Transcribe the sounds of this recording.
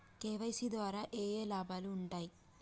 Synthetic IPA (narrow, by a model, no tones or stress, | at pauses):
keːʋɐjsid̪ʋaːɾaːʔeːjeːlaːbʱaːluːɳʈaːji